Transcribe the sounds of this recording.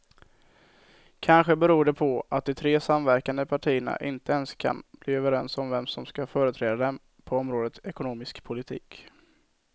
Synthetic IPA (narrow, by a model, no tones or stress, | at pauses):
kʰanɧəbɛɾuːɖɛpʰɔʔat̪̚d̪ɪt̪ʰɾeːsamvæɾkand̪əpʰaʈʰiːəna̰ʔɪnt̪əɛnskʰa̰nbliːøːvəɾɛnsɔmvɛmsɔmskafœːɾət̪ʰɾɛːd̪ad̪ɛm | pʰɔɔmɾoːd̪ət̪ɛkʊnuːmɪskpʰʊlɪt̪ʰḭːk